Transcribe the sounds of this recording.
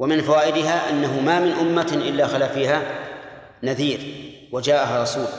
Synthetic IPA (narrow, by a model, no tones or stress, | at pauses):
wamɪnfawaːʔɪd̪ɪɦaːʔanːaɦʊmamɪnʔʊmːaʔɪlːaxalafiːɦa | naðiːɾ | wad͡ʒaːʔaɦaɾˤɑsuːl